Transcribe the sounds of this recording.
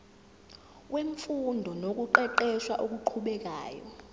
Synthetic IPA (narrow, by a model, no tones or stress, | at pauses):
weɱfundʱɔnok̬ʼuǃɛǃɛʃwaʔok̬ʼuǃʰuɓɛk̬a̰ːjɔ